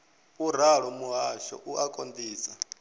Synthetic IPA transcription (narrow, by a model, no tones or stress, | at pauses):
uɾ̤aɺɔmuɦaʃɔ̰ʔuʔakʼond̪iːsa